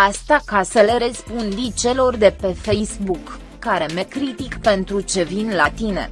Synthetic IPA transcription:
ast̪akasəle̞ɾespund̪it͡ʃe̞lo̞rd̪e̞pe̞fejsbukː | aɾe̞mekɾit̪ikpe̞nt̪ɾut͡ʃe̞vinlat̪ine̞̰

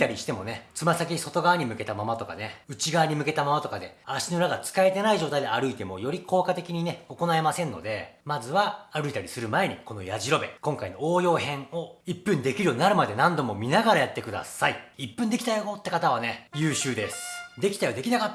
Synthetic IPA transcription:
t̪aɾʲiɕi̥t̪e̞mo̞net͡sɨmasak̬ʲiso̞t̪o̞ɡaβaɲ̟imɯ̟ke̞t̪amamat̪o̞ka̰ne̞ɯ̟t͡ɕiɡaβɲ̟imɯ̟ke̞t̪amamat̪o̞kad̪e̞aɕinɯɾaɡat͡sɨ̥kae̞t̪e̞naiʑo̞ːt̪aid̪eaɾɯ̟it̪e̞mo̞jo̞ɾʲikʰo̞ːkat̪e̞kʲiɲ̟ine̞o̞ko̞nae̞masẽ̞nːo̞̰d̪e̞mazɨβaaɾɯ̟it̪aɾʲisɨɾɯ̟mae̞ɲ̟iko̞no̞jaʑiɾo̞be̞̰kõ̞ŋkaino̞oːjo̞ːɦẽ̞ŋo̞ipːɯ̟̃nd̪e̞kʲiɾɯjoɲinaɾɯ̟mad̪e̞nãnd̪o̞mo̞mʲinaɡaɾajat̪ːe̞kɯ̟d̪a̰saiipːɯ̃nd̪e̞kʲi̥t̪ajoot̪ːe̞kat̪aβ̞ane̞jɯːɕɨːd̪e̞sɨ̥d̪e̞kʲi̥t̪ajod̪e̞kʲinaka

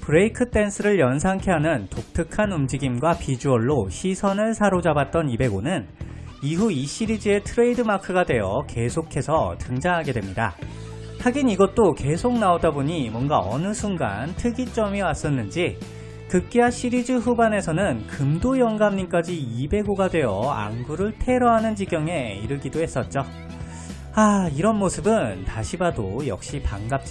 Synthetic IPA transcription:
pɯɾeikʰɯt͈e̞nsʰɯɾɯɭjʌns̬ʰaŋkʰe̞ɦanɯntok̚tʰɯkʰanumd͡ʑiɡimɡwapid͡ʑuʌɭːoɕʰisʰʌnɯɭsʰaɾod͡ʑabat̚t͈ʌnibe̞ɡonɯn | iɦuiɕ͈iɾid͡ʑɯe̞tʰɯɾe̞idɯmakʰɯɡadwe̞jʌke̞sʰokʰe̞sʰʌtɯŋd͡ʑaŋɦaɡe̞dwemɲida̰ | haɡiniɡʌt̚t͈oke̞sʰok̚naodaboɲimwʌnɡaʌ̰nɯsʰuŋɡa̰ntʰɯɡit͡ɕ͈ʌmiwas͈ʌnːɯnd͡ʑi | kɯk̚k͈iaɕʰiɾid͡ʑɯɸubane̞sʰʌnɯnkɯmdojʌŋɡamɲik͈ad͡ʑiibe̞ɡoɡadwe̞jʌ̰a̰ŋɡuɾɯɭtʰe̞ɾʌɦanɯnd͡ʑiɡjʌŋe̞ḭɾɯɭɡidohe̞s͈ʌt̚t͡ɕ͈o | aiɾʌnmosʰɯbɯntaɕʰibadojʌ̰k̚ɕ͈ipaŋɡap̚t͡ɕ

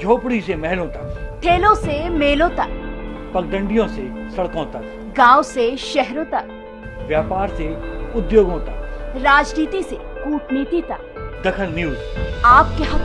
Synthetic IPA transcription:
d͡ʒʱoːpɽisemɛɦlõt̪ɐkʈʰeːlõsemeːlõt̪ɐkpɐk̚ɡ̪ə̃ɳɖijõse | sɐɽkõt̪ɐk | ɡãːwseʃɛɦɾõt̪ɐk | ʋjaːpaːɾseʊd̪joːɡõt̪aɾaːd͡ʒniːt̪ise | kuːʈniːt̪it̪ɐk̚ | d̪ɐkʰəlniuːd͡ʒaːp̚keɦɐ

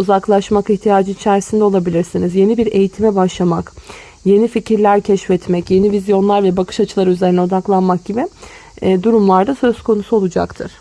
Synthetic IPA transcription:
uzaklˠaʃmakiçt̪ʰijaːd͡ʒɯit͡ʃʰæɾsind̪ɛo̞lˠabilʲiɾsinizje̞nibiɾe̞jit̪ʰimɛbaʃlˠamak | je̞nificʰiɾlʲæɾcʰɛʃfɛt̪mɛcje̞nivizjo̞nlˠaɾvɛbakʰɯ̥ʃat͡ʃʰɯlˠaɾyzeɾinɛo̞d̪aklˠanmak̚ɟibɪ | d̪uɾumlˠaɾd̪asø̞zkʰo̞nusuo̞lˠud͡ʒa̰kt̪ʰɯɾ̥

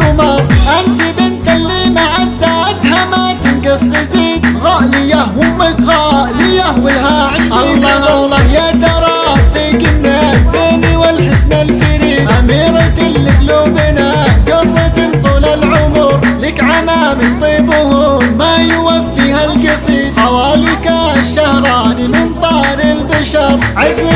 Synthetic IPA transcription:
ʊmɑɾˤʔanfibɪnt̪alːiːmaʕazːaʔat̪hamat̪ɪnɡɑsˤt̪ɪziːd̪ɣɑʔlijahwɪmɪkɣɑʔlijahwɪlɦaʕʔɑlːɑlːɑjat̪ɑɾˤɑːfiːkɪnːazeːniwɪlħɪsnalfɪɾiːʔamiːɾɑt̪ːɪkluːbɪna | ɡʊrˤːɑt̪ɪnt̪ˤulalʕʊmɾlɪkʕamaːmɪt̪ˤiːbʊhʊmajʊwafːihalkɪsˤiːd̪ħawaːlɪkaʃːahɾˤɑːnimɪnt̪ˤɑːɾɪlbaʃɑɾˤʕazw

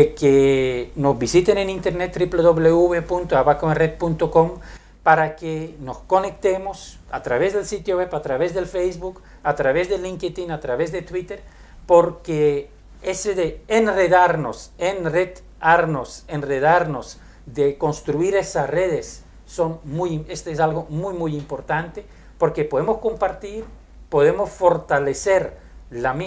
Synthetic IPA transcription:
ekenozβisit̪enenĩnt̪eɾnet̪ːɾipleðoβleuβepunt̪oaβakoeret̪̚punt̪okom | paɾakenosko̞nek̚t̪emosat̪ɾaβezðelsit̪joβweβat̪ɾaβezðelfejzβuk | at̪ɾaβezðeliŋket̪inat̪ɾaβezðet̪wit̪eɾ | poɾke | eseðeːnreðaɾnosenret̪ | aɾnosenreðaɾnos | ðeko̞nst̪ɾuiɾesasreðesː | o̞nmujimest̪oes̬alɣomujmujimpo̞ɾt̪ant̪e | po̞ɾkepo̞ðemosko̞mpaɾt̪iɾ | po̞ðe̞mosfo̞ɾt̪aleseɾ | lami

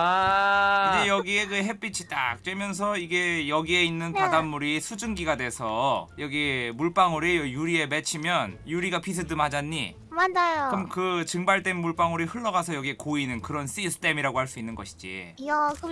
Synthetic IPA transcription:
ɯndejʌɡieɡɯɦe̞p͈it͡ɕʰit͈a̰k̚t͡ɕ͈wemjʌns̬ʰʌiɡe̞jʌɡie̞inːɯnpadamːuɾisʰud͡ʑɯŋɡiɡadwe̞sʰʌjʌɡiemuɭp͈aŋuɾejjuɾie̞me̞t͡ɕʰimjʌnjuɾiɡapʰis̬ʰɯdɯmhad͡ʑaɲːḭ | mad͡ʑajokɯmkɯt͡ɕɯŋbaɭt͈wenmuɭp͈aŋuɾihɯɭːʌɡasʰʌjʌɡiekoinɯnkɯɾʌns͈isʰɯ̥t͈ʰe̞miɾaɡohaɭs͈uinːɯnɡʌɕʰi̥d͡ʑḭak

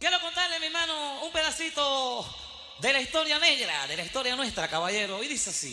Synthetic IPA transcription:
kjeɾoko̞nt̪aɾlemimãnoumpe̞ðasit̪o | ðelaist̪o̞ɾjane̞ɣɾa̰ðe̞laist̪o̞ɾjanwe̞st̪ɾakaβaʝe̞ɾoiðiseasḭ

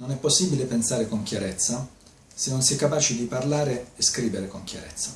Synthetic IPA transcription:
nonɛpːosːiːbilepensaːɾekoŋkjaɾɛt̪sːa | senːonsɛjkːapaːt͡ʃid̪iparlaːɾeːskɾiːveɾekoŋkʲja̰ɾɛ̰t̪sːa

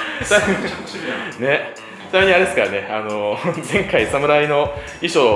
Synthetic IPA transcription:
t̪a | ne | t̪meɲ̟ːiaɾeesɨ̥kaɾane̞anozẽ̞ŋkaisamɯ̟ɾaino̞ | iɕo

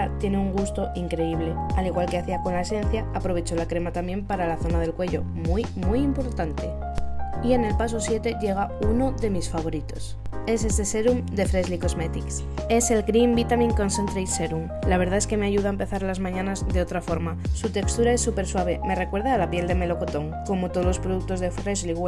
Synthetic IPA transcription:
at̪je̞ne̞uŋɡust̪o̞ʔiŋkɾe̞iβ̞le̞aliɣwalke̞aθiako̞nlaesẽ̞nθjaːpɾo̞β̞e̞t͡ʃo̞lakɾe̞mat̪ambje̞mpaɾalaθo̞nað̞e̞lkwe̞ʎo̞̰ | mujmujimpo̞ɾt̪ant̪e̞ | ie̞ne̞lpas̬o̞sje̞t̪e̞ʝe̞ɣ̞auno̞ðe̞misfaβ̞o̞ɾit̪o̞s | e̞s̬e̞se̞se̞ɾumd̪e̞fɾezliko̞zme̞t̪iks | e̞se̞lɡɾimbit̪amĩŋkonsent̪ɾejse̞ɾum | laβ̞e̞ɾð̞ae̞ske̞me̞aʝuðaempe̞θaɾlazmãɲãnazðeo̞t̪ɾafo̞ɾmasut̪e̞kst̪uɾae̞sːupe̞ɾswaβ̞e̞me̞re̞kweɾðaːlapje̞ld̪e̞me̞lo̞ko̞t̪o̞ŋko̞mot̪o̞lo̞spɾo̞ð̞uk̚t̪o̞zðe̞fɾe̞zli

